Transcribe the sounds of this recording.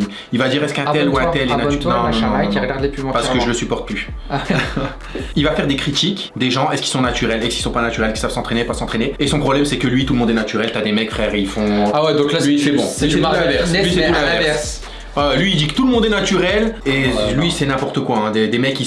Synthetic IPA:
ilvad̪iʁɛskɛ̃t̪ɛluɛ̃t̪ɛlɛnanɔ̃nɔ̃aiʁɡaʁd̪lepymɑ̃paʁsəəkəʒələsypɔʁt̪̚ply | ilvafɛʁd̪ekχit̪ik | d̪eʒɑ̃ɛskilsɔ̃nat̪yʁɛlɛskilsɔ̃panat̪yʁɛlki̥sav̥sɑ̃t̪χenepasɑ̃t̪χeneesɔ̃pχɔblɛmsɛkəlɥit̪uləmɔ̃d̪ɛnat̪yʁɛlt̪yad̪emɛkfχɛʁilfɔ̃awɛd̪ɔ̃klalɥiifɛbɔ̃iɛaɛvɛʁlisɛɛ̃vɛʁvɛs | ɔlɥiːld̪ikə̥t̪uləmɔ̃d̪ɛnat̪yʁɛlelɥisɛnɛ̃pɔʁt̪əkwaɛ̃d̪ed̪emɛkːi

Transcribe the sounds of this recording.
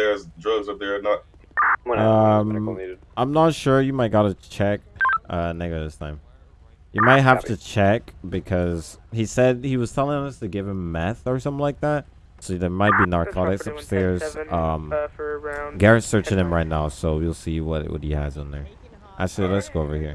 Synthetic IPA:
ɛzdɹʌɡzəðənət̚ | ʌ̃m | ãɪ̃mnətʃʊɹjɨmaɪt̚ɡ̥ɑɾɨt͡ʃʰɛk̚ʌnɛɡɨðɪstʰãɪ̃m | jɨmaɪt̚ɦæftɨt͡ʃʰɛkb̥ɨkʰʌz̥hisɛd̚hiwʌz̥tʰɛlˠɪ̃ŋə̃ŋʌstʰɨɡɪv̥ɨ̃mːɛθə˞sʌ̃mθɪ̃ŋlaɪk̚ðæt̚ | siðə˞maɪt̚b̥inɑɹkʰɑɾɨksʌpsɛɹz̥ʔʌ̃m | ɡɛɹɨ̃ntsɜ˞t͡ʃɪ̃ŋɨ̃mɹaɪtⁿnaʊsoʊwilˠsijɨwʌtwʌ̰t̚hiɨ̰z̃n̩ðə̰˞ | ʔa̰ʃˠilɛtsɡ̥oʊoʊvə˞hiɹ

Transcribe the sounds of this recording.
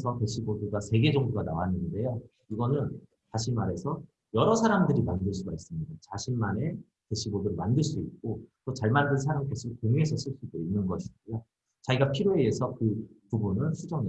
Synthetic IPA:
sʰʌte̞ɕʰiboduɡasʰe̞ɡe̞d͡ʑʌŋduɡanawanɯnde̞jo | iɡʌnɯn | t͡ɕaɕʰimaɾe̞sʰʌ | jʌɾʌsʰaɾamdɯɾimandɯɭs͈uɡais͈ɯmɲidat͡ɕaɕʰinmane̞ | te̞ɕʰiboduɾɯɭmandɯɭs͈uik̚k͈ot͈ot͡ɕaɭmandɯns̬ʰaɾamk͈eɕʰikoŋuɦe̞sʰʌɕ͈ʰiɭs͈udoinːɯnɡʌɕʰiɡejo | t͡ɕaiɡapʰiɾjoeːsʰʌkɯpubunɯɭɸʰud͡ʑʌne

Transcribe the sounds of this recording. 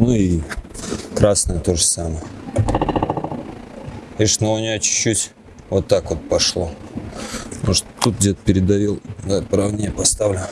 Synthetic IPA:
nui | kɾasnəjət̪o̞ʐəsaməjə | iʂnəlˠʊnʲat͡ɕʊ̥t͡ɕːutʲ | vot̪ːakvot̪̚pɐʂlˠo | noʂt̪t̪ːut̪̚dʲet̪ə̥pʲɪɾʲɪd̪ɐjilˠjapɾɐvnʲejpɐst̪avlʲʊ

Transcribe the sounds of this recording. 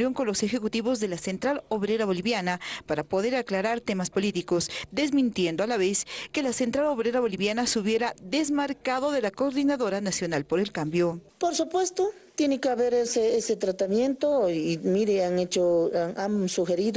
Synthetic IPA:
jo̞ŋko̞nlo̞se̞xekut̪iβo̞zðe̞lase̞nt̪ɾaloβɾe̞ɾaβo̞liβjanapaɾapo̞ðe̞ɾaklaɾaɾt̪e̞maspolit̪iko̞sd̪e̞zmĩnt̪je̞nd̪oalaβeske̞lasent̪ɾalo̞βɾe̞ɾaβo̞liβjanasuβje̞ɾaðe̞zmaɾkaðo̞ðe̞lakoɾðinaðoɾanasjo̞nalpo̞ɾe̞lkambjopoɾsupwest̪o | t̪jenekeaβeɾeseeset̪ɾat̪amjent̪oiːmiɾeaŋet͡ʃoansuxeɾið

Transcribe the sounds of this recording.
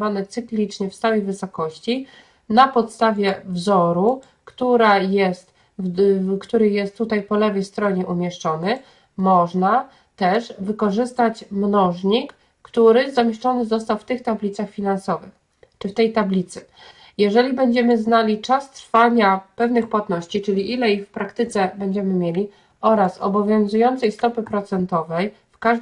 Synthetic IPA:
vanɛt̪sɘklʲit͡ʂɲɛfsawɛjvɘsɔkɔɕt͡ɕi | napɔt̪st̪avʲjɛvzɔɾu | kt̪uɾajɛst̪ | kt̪uɾɘjɛst̪ːut̪ajpɔlɛvɛjst̪ɾɔɲɛʔumʲjɛʂt͡ʂɔnɘ | mɔʐna | t̪ɛʐvɘkɔʐɘst̪at͡ɕmnɔʐɲikː | t̪uɾɘzamʲjeʂt͡ʂɔnɘzɔst̪awft̪ɘxt̪ablʲit̪saxfʲinansɔvɘ̰x | t͡ʂɘft̪ɛjt̪ablʲit̪sɘ | jɛʐɛlʲibɛɲd͡ʑɛmɘznalʲit͡ʂast̪ɾfaɲapɛvnɘxpwat̪nɔɕt͡ɕit͡ʂɘlʲiʔilɛixfpɾakt̪ɘt̪sɛbɛɲd͡ʑɛmɘmʲjelʲi | ɔɾasɔ̰bɔvʲjɔ̃w̃zujɔnt̪sɛjst̪ɔpɘpɾɔt̪sɛnt̪ɔvɛj | fkaʐ

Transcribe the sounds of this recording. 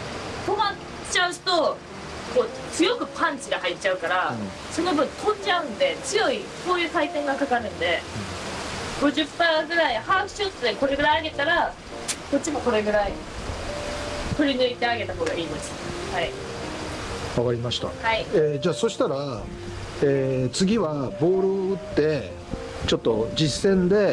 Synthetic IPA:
t̪o̞ma | t͡ɕaɯ̟ɕi̥t̪o̞ | ko̞ː | t͡sɨjo̞kɯ̟pʰãɲt͡ɕiɡahaitt͡ɕaɯ̟kaɾã | so̞no̞bɯ̟̃nt̪ʰõ̞d͡ʑaɯ̟̃nd̪e̞t͡sɨjo̞iso̞ːjɯ̟ːkait̪ẽ̞ŋɡakakaɾɯ̟̃nd̪e̞ | ɡ̥o̞ʑɨpːaːɡɯ̟ɾaihaːɸɯ̟̥ɕot̪ːɨd̪eko̞ɾe̞ɡɯ̟ɾaiaɡe̞t̪aɾa | k̪o̞t͡ɕːimo̞ko̞ɾe̞ɡɯ̟ɾai | t̪o̞ɾʲinɯ̟it̪e̞aɡe̞t̪aɦo̞ːɡaiimasɨ̥hai | aɡaɾʲimaɕi̥t̪a̰haied͡ʑaːso̞ɕi̥t̪aɾa | et͡sɨɡʲiβabo̞ːɾɯ̟ɯt̪ːe̞ | t͡ɕo̞t̪ːo̞d͡ʑisːẽ̞nd̪e̞

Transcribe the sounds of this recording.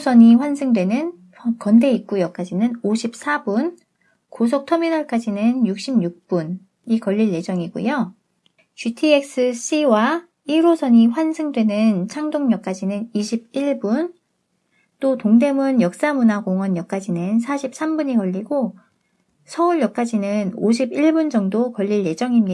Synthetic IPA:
sʰʌɲiɸwansʰɯŋdwe̞nɯn | kʌnde̞ik̚k͈ujʌk͈ad͡ʑinɯnoɕʰip̚s͈ʰabun | kos̬ʰok̚tʰʌminʌɭk͈ad͡ʑinɯnjuk̚ɕ͈ʰimɲjuk̚p͈un | ikʌʎːiɭːe̞d͡ʑʌŋiɡṵjo | t͡ɕutʰiek̚s͈ɯɕ͈iwa | iɾosʰʌɲiɸwansʰɯŋdwe̞nɯnt͡ɕʰaŋdoŋɲʌk͈̚ad͡ʑinɯniɕʰib̚iɭbun | t͈otoŋde̞munjʌk̚s͈amunaɡoŋwʌnjʌk͈̚ad͡ʑinɯnsʰaɕʰip̚s͈ambuɲikʌʎːiɡo | sʰʌuɭjʌk͈̚ad͡ʑinɯnoɕ̬ʰibiɭbund͡ʑʌŋdokʌʎːiɭje̞d͡ʑʌŋimɲia

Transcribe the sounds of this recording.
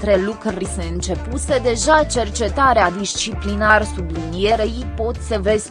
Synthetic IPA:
t̪ɾe̞lukrise̞ɨnt͡ʃe̞puse̞d̪e̞ʒat͡ʃe̞rt͡ʃe̞t̪aɾead̪ist͡ʃiplinarsublinije̞ɾejipo̞t̪ʲsəve̞zʲ

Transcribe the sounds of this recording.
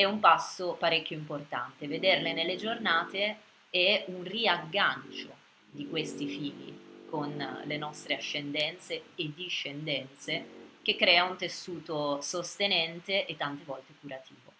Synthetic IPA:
ɛumpasːopaɾekʲːjoimport̪a̰nt̪eved̪erlenelːed͡ʒornaːt̪e | ɛunriaɡːant͡ʃo̰ | d̪ikwest̪ifiːʎːḭkonlenɔst̪ɾeaʃːend̪ɛnt̪seːd̪iʃːend̪ɛnt̪sek̟ekːɾɛːaunt̪esːuːt̪osost̪enɛnt̪eʔet̪ːant̪evɔlt̪ekuɾat̪ʰḭːvo

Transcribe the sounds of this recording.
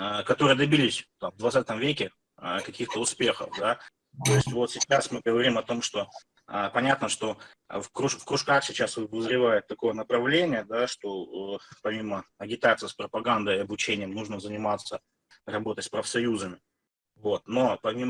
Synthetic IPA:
əkɐt̪o̞ɾɨjəd̪ɐbʲilʲɪsʲt̪amvd̪vɐt̪sat̪əmvʲekʲɪ | əkɐkʲixt̪əʊspʲe̞xə̰fd̪a | t̪o̞ɪsʲtʲvo̞t̪sʲɪt͡ɕasmɨɡəvɐɾʲimɐt̪o̞mʂt̪o̞ | əpɐnʲat̪nəʂt̪o̞̰ | fkɾʊʂfkɾʊʂkaxsʲɪt͡ɕasɨb̪əzɾʲɪvajɪt̪ːɐko̞jənəpɾɐvlʲenʲɪjəd̪aʂt̪o̞əpɐmʲiməɐɡʲɪt̪at̪sɨjspɾəpɐɡand̪əɪɐbʊt͡ɕenʲɪjəmnuʐnəzənʲɪmat̪sːə | rɐbo̞t̪ətʲspɾəfsɐjuzəmʲɪ | vo̞t̪no̞pɐmʲim

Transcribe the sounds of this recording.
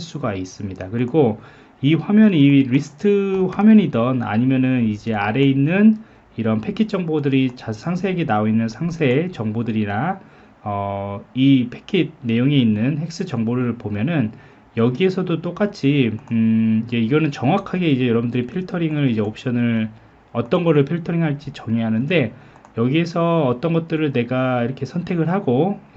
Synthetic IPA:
aɭs͈uɡais͈ɯmɲidakɯɾiɡo | iɸwamjʌniɾisʰɯ̥tʰɯɸwamjʌɲidʌna̰ɲimjʌnɯnid͡ʑe̞aɾe̞inːɯn | iɾʌnpʰe̞kʰit̚t͡ɕ͈ʌŋbodɯɾit͡ɕasʰaŋsʰeɡinaoinːɯnsʰaŋsʰe̞t͡ɕʌŋbodɯɾiɾa | ʌipʰe̞kʰid̚ne̞joŋe̞inːɯnhe̞k̚s͈ɯt͡ɕʌŋboɾɯɭpomjʌnɯn | jʌɡie̞sʰʌdot͈ok͈at͡ɕʰi | id͡ʑe̞iɡʌnɯnt͡ɕʌŋwakʰaɡe̞id͡ʑe̞jʌɾʌbundɯɾipʰiɭtʰʌɾiŋɯɭid͡ʑe̞op̚ɕ͈ʌnɯɭ | ʌt͈ʌnɡʌɾɯɭpʰiɭtʰʌɾiŋɦaɭt͡ɕ͈it͡ɕʌŋjeɦanɯnde̞ | jʌɡie̞sʰʌːt͈ʌnɡʌt̚t͈ɯɾɯɭne̞ɡaiɾʌkʰe̞sʰʌntʰe̞ɡɯɭɦaɡo

